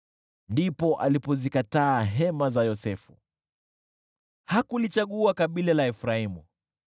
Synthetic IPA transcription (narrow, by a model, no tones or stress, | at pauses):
ndipɔʔalipɔzikataːɦɛmazajɔsɛfu | hakulit͡ʃaɠuakaɓilalaɛfɾaimu